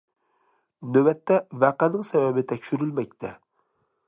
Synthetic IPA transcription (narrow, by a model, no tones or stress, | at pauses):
nøbɛt̪ʰːɛvæqænɪŋsɛvɛbɪt̪ʰɛkʲʃyɾylmɛk̚ʲt̪ʰɛ